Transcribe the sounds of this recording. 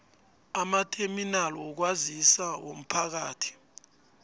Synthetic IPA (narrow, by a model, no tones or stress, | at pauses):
amatʰeminalɔk̬wazisawom̩pʰak̬aːtʰi̥